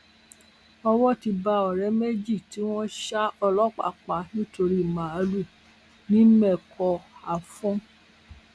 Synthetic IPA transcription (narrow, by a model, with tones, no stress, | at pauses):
ɔ˧wɔ˦ti˧ba˧˦ɔ˨ɾɛ˨˦me˦d͡ʒi˦˨ti˨˦w̃ɔ̃˦ʃa˦ɔ˧lɔ˦k͡pa̰˨k͡pa˨˦nĩ˦to˧ɾi˦˨mã˨a˨˧˦lu˦˨ | nĩ˦mɛ˦˨kʰɔ˧a˨fũ˦